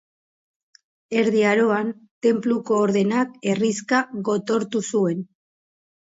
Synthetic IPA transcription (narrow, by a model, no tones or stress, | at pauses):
e̞ɾðiaɾo̞ant̪e̞mpluko̞ːɾðe̞nake̞riskaɣo̞t̪o̞ɾt̪usue̞n